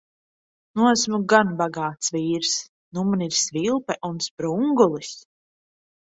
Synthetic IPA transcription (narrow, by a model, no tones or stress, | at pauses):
nuɔæsmuɡanbaɡaːt̪sviːɾs | numuniɾsvilˠpɛʔunspɾuŋɡulˠis